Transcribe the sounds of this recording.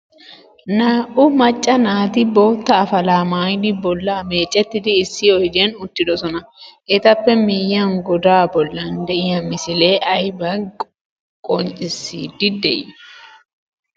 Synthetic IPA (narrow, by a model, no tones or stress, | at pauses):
naːʔʊmɐt͡ʃʼːɐnaːt̪ɪbo̞ːt̪ːɐːfɐlaːmaːjnɪbɔlːaːmeːt͡ʃʼːɛt̪ːɪd̪ɪːsːɪɔjd̪enʊt̪ːɪd̪ɔsɔnɐʔɛt̪ɐpːɛmɪjːɐŋɡɔd̪aːbɔlːɐnd̪ɛʔɪjɐmɪsɪle̞ːʔɐjbɐ | kʼɔnt͡ʃʼɪsːiːd̪ːɪd̪ɛʔɛ